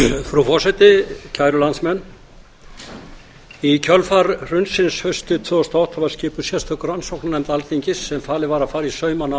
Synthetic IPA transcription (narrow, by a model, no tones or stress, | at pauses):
fɾufɔ̥sɛjt̪ɪcʰaːjɾʏlant̪smɛnː | icʰœlfaɾr̥ʏnsɪnshœɥst̪ʏt̪ʰvœːɔst̪aawht̪ʰavḁscɪːpʏɾ̥sjɛst̪ʰœhkʏɾransowknanɛjmt̪alθiɲcɪsːɛmfaːlɪvaːɾafaːɾisœːɥmana